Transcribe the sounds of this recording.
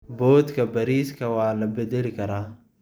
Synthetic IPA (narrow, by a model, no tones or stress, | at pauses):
bɔːd̪kʰɐbɐɾiːskʰɐwɑːlɐbɛd̪ɛlɪkʰɐɾaː